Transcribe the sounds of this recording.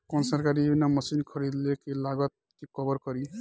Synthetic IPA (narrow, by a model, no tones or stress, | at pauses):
kɔnsaɾkaɾibbinamʌsinkʰʌɾid̪lekelaɡʌt̪̚kikʌbʌɾkʌɾi